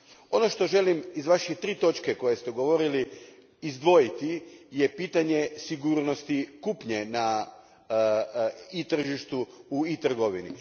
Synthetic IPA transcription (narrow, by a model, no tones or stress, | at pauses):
o̞no̞ʃt̪o̞ʒe̞limizʋaʃet̪ɾiːt̪o̞t͡ʃkeko̞jest̪eɡo̞ʋo̞ɾili | izd̪ʋo̞jit̪ije̞piːt̪aɲe̞siɡuːɾno̞st̪ikupɲena | it̪r̩ʒiʃt̪uuit̪r̩ɡo̞ʋinḭ